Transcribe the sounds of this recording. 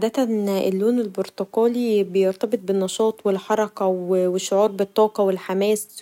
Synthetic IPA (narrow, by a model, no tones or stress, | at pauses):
d̪æt̪ænḛlːuːnelboɾt̪oqɑːlibejoɾt̪ɑbet̪̚benːɑʃɑːt̪ˤwelħɑɾˤɑkæwweʃːoʕuːɾˤbet̪ˤːɑːqɑwelħamæːs